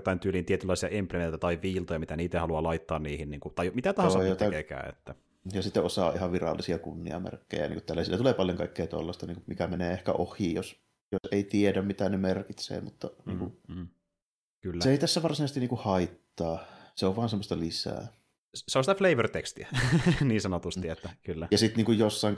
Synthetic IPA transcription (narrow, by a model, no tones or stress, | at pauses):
t̪ːˑɑint̪yːliːnt̪iet̪ylːɑˑisiɑʔempliment̪ɑt̪ɑiʋʋiːlt̪ojɑmit̪æniːt̪æhɑluɑlɑit̪ːɑːnniːhinniːŋkut̪ɑˑijmit̪æt̪ɑhɑsɑot̪ekekæ̰ːḛt̪ːæ | jɑsit̪ːeʔosɑ̰ːʔihɑʋʋirɑ̰lːisiɑkunːḭɑ̰mḛrkːḛjæ̰nḭŋkut̪tælːæsilːæt̪uleːpɑljoŋkɑikːeːt̪ɑ̰lːɑst̪ɑniːŋkumikæmeneːehkæ̰ʔohˑiːjos | joseˑit̪iedæmmit̪ænemerkit̪sḛːmut̪ːɑnḭːŋkuː | kylːæseeˑit̪æsːæʋɑrsinɑˑest̪iniŋkuhɑit̪ːɑːseoʋʋɑːnsemːost̪ɑlisæ̰ː | seonsit̪æfleiʋørt̪ekst̪iæniːnsɑnot̪ust̪iet̪ːækylːæjɑsit̪niːŋkujjosːɑˑiŋ